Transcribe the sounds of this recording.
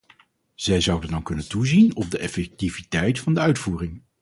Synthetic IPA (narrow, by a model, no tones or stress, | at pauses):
z̥ɛjzʌwdəndɑnkɵnəntuzinɔb̚dəʔɛfɛk̚tivitɛjtfɑndəœɥtfuːrɪŋ